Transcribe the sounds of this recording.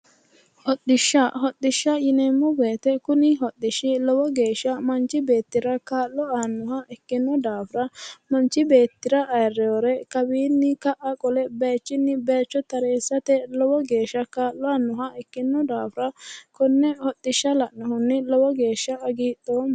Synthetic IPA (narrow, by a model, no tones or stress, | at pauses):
hɔd̪ɪʃːɐɦɔt̪ːɪʃːɐjɪnɛmːʊbe̞ːt̪ɛkʊnɪɦɔt̪ːɪʃɪlɔwɔɡe̞ːʃːɐmɐnt͡ʃːɪbe̞ːt̪ːɪɾɐkaːlːɔaːnːʊɦɐʔɛkːɪnːɔd̪aːfɾɐmɐnt͡ʃːɪbeːt̪ːɪɾɐʔɐjrːɛɔɾɛkɐbiːnːɪkɐʔɐkʼɔlɛbeːt͡ʃːɪnːɪbeːt͡ʃːɔt̪ɐɾeːsːɐt̪ɛlɔwɔɡe̞ːʃːɐkaːlːɔɐnːʊɦɐɛkːɪnːɔd̪aːfɾɐkɔnːɛhɔt̪ːɪʃːɐlɐʔnɔhʊnːɪlɔwɔɡe̞ːʃːɐɐɡiːt̪ːoːm